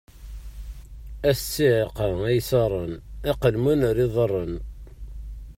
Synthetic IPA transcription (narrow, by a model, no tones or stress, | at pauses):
æsːiʕeqəæjsɑrˤəneqəlmənəɾiðˤərˤːən